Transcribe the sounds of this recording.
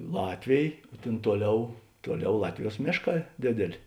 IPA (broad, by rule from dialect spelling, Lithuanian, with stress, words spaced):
ˈlˠɑːtʲʋʲeːj ˈtʲeːn ˈtuɔˌlʲɛʊ ˈtuɔˌlʲɛʊ ˈlˠɑːtʲʋʲɪˌjuɔs ˈmʲeːʃˌkɑː ˈdʲeːdʲeːˌlʲeː